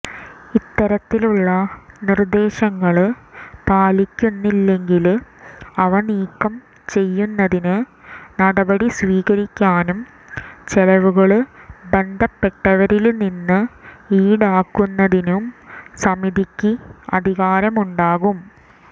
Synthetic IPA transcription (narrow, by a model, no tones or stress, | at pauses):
it̪ːɐɾɐt̪ːiluɭːɐnird̪e̞ːɕɐŋːɐɭpaːlikʲːunːilːe̞ŋɡil | ɐʋɐɳiːkːɐm | t͡ɕe̞jːunːɐðinɨnɐɽɐbɐɽisʋiːɣɐɾikʲːaːnum | t͡ɕelɐʋuɣɐɭbɐɳɖ̪ɐpːe̞ʈːɐʋɐɾilninːɨiːɽaːkːunːɐðinumsɐmiðikʲːiɐd̪ʱiɣaːɾɐmuɳɖaːɣum